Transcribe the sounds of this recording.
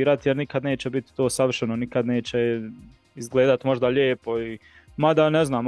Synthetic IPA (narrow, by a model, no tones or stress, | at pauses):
iːɾat̪jeɾnikad̪ne̞ːt͡ɕɛbit̪i̥t̪o̞ːsaʋr̩ʃenonikad̪ne̞ːt͡ɕɛ | izɡle̞ːd̪at̪mo̞ʒd̪aʎeːpo̞i | mad̪aneznaːm